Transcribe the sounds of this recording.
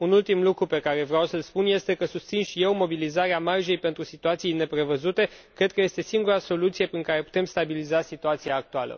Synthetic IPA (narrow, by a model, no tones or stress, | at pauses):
unult̪imlukɾupe̞kaɾe̞vɾeawsəlspunje̞st̪e̞kəsust̪sinʃije̞wmo̞bilizaɾeamarʒe̞jpent̪ɾusit̪uat̪siijne̞pɾe̞vəzut̪e̞ | kɾe̞d̪̚kəje̞st̪e̞siŋɡuɾaso̞lut̪sije̞pɾiŋkaɾe̞pu̥t̪e̞mst̪abilizasit̪uat̪sijaːk̚t̪ualə̰